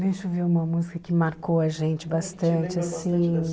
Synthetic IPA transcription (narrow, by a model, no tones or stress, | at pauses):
d̪eʃoveɾũmɐmuzikɐkɪmaɾkowɐʒẽnt͡ʃɪbast̪ɐ̃t͡ʃɪasĩ